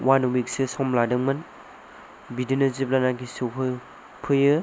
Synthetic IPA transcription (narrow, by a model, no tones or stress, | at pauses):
wanwik̚sesɔmladɯŋmɯn | bidinɯzip̚lanaɡisɯɦʰɯ | pʰɯjɯ